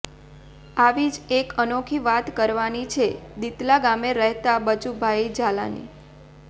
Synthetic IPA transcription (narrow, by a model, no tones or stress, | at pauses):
aʋid͡ʒekənokʰiʋat̪kəɾʋanit͡ʃʰed̪it̪laɡameɾəɦt̪abət͡ʃubʱajid͡ʒala̰nḭ